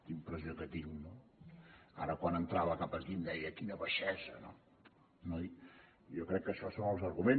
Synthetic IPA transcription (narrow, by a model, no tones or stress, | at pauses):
t̪impɾəʒuɣət̪iwno | a̰ɾəkwanənt̪ɾaβəkapəkind̪ɛjəkinəβəʃɛzə̰no̰ | noj | jokɾɛkːəʃɔsonəlˠzəɾɣumen